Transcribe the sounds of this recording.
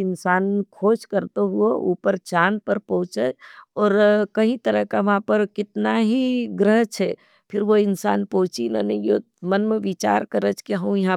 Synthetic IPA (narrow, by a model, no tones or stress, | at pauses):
ɪnsaːnkʰoːʃkɐɾt̪oɦuoʔuːpəɾt͡ʃaːnpəɾpɔɦʊt͡ʃəɔːɾkɐɦĩt̪ɐɾəɦkaʋɐɦãpɐɾkɪt̪naɦiɡɾəɦt͡ʃʰɛː | pʰɪɾʋoɪnsa̰ːnpɔɦʊt͡ʃina̰nɐĩjo | mɐnmẽʋit͡ʃa̰ːɾkɐɾət͡ʃkiɦɐũjɐɦã